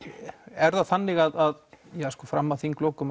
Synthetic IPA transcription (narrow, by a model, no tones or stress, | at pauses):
ɛɾðaθanːɪɣaðaðjaskɔfɾamːaθiŋkloːwkʏm